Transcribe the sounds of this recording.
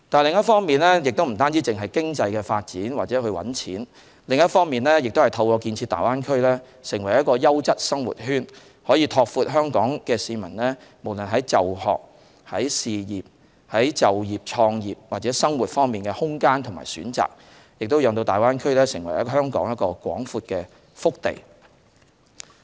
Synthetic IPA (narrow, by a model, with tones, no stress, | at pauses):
t̪aː˨˩lɪ˨ŋjɐ˥t̚fɔː˥ŋmiː˨nlɛː˥jɪ˨k̚t̪o˥wm̩˨˩t̪aː˥nt͡siː˥t͡sɪ˨ŋɦɐ˨˩jkɪ˥ŋt͡sɐ˧jkɛː˧faː˧t̚t͡siː˨˥nwaː˨t̚t͡sɛː˨˥hɵ˧ɥwɐ̰˨˥nt͡sʰḭː˨˥n | lɪ˨ŋjɐ˥t̚fɔː˥ŋmiː˨nlɛː˥jɪ˨k̚t̪o˥whɐ˨˩jt̪ʰɐ˧wkɔː˧kiː˧nt͡sʰiː˧t̪a̰ː˨jwaː˥nkʰɵ˥ɥlɛː˥ | sɪ˨˩ŋwɐ˨˩jɐ˥t̚kɔː˧jɐ˥wt͡sɐ˥t̚sɐ˥ŋwṵ˨t̚hyː˥n | hɔː˨˥jiː˧t̪ʰɔː˧k̚fuː˧t̚ɦœː˥ŋkɔː˨˥ŋkɛː˧siː˧mɐ˨˩nlɛː˥mo˨˩wlə˨nɦɐ˨˥jt͡sɐ˨whɔ̰ː˨k̚ | hɐ˨˥jsiː˨jiː˨p̚ | hɐ˨˥jt͡sɐ˨wjiː˨˩p̚t͡ʃʰɔː˧ŋjiː˨˩p̚waː˨t̚t͡sɛː˨˦˥sɐ˥ŋwuː˨˩t̚fɔː˥ŋmiː˨˩nkɛ˧hʊ˥ŋkaː˥nt̪ʰʊ˨˩ma̰ː˨˩sy̰ː˨˥nt͡sa̰ː˨k̚ | jɪ˨k̚t̪o˥jœː˨˧ŋt̪o˧wt̪aː˨jwaː˥nkʰɵ˥ɥlɛː˥sɪ˨˩ŋwɐ̰˨˩jɐ˥ɦœː˥ŋkɔ̰ː˨˥ŋjɐ˥tkɔː˧kwɔ̰ː˨˥ŋfuː˧t̚kɛː˧ | fʊ˥k̚t̪ḛ˨˩j